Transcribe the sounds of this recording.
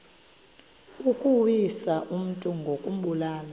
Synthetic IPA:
ukʼuwisaʔum̩tʼuŋɡʱokʼum̩ɓulaːna

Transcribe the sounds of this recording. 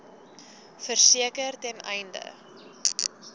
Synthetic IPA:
fərsiəkərtɛnɛjndə̰

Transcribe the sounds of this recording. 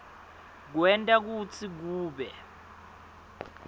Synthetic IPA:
k̬wɛntʼak̬ut͡sʰik̬uːɓɛ

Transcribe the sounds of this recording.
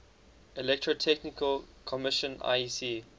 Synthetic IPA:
ɛlɛk̚tɹotʰɛknɪkəlkʰɔmɪʃə̃na̰si

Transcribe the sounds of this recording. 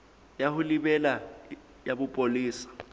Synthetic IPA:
jahʊlibɛla | jabʊpʼoliːsḁ

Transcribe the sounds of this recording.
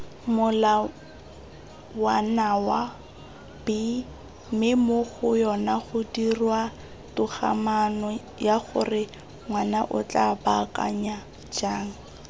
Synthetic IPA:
mʊla | wanawa | bɪ | mɪmoɣʊjɔnaχʊdirwa | tʊχa̰manɔ | jaχʊ̰rɪ | ŋwanaʔʊt͡ɬʼabakʼa̰ɲa | d͡ʒaːŋ̩

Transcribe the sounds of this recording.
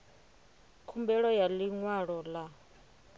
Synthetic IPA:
kʰumbɛɺɔjaliŋwaɺɔla

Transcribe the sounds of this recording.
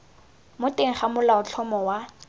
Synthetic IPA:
mʊteŋ̩χamʊlaʊt͡ɬʰɔmɔwa

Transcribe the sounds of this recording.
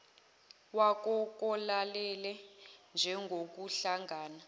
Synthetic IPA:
wak̬ʼɔk̬ʼɔlalɛlɛnd͡ʒʱɛŋɡʱok̬uɬaŋɡaːna

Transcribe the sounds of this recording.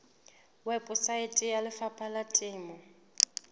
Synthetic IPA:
wɛpʼʊsaɪtʼɪjalɪfapʼalatʼɪːmɔ

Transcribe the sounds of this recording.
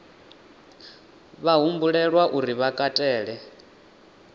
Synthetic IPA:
βaɦumbuɺɛɺwaʔuɾiβakʼatʼɛːɺɛ

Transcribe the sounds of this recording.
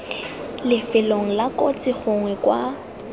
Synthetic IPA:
lɪfɪloŋ̩lakʼot͡sʼɪχʊŋwɛkwa

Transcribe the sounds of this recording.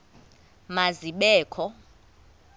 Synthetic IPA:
maziɓɛːkʰɔ

